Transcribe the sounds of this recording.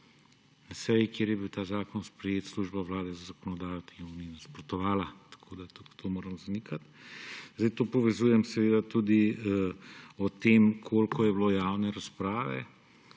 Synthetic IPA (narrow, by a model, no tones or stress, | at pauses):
nasɛjikjeːɾjɛbiwt̪aːzaːkɔnspɾɛjeːt̪sluʒbaʋlaːd̪ɛzazakɔnɔd̪aːjɔt̪iuninaspɾɔt̪ɔʋaːlat̪ḁkʰoːd̪at̪ut̪ʰomoːɾɐmzanikat̪zd̪ɛjt̪oːpɔʋɛzuːjɛmsɛʋeːd̪at̪uːd̪i | ɔt̪eːmkʰoːlkʰɔjɛblojaːwnɛɾaspɾaːʋɛ̰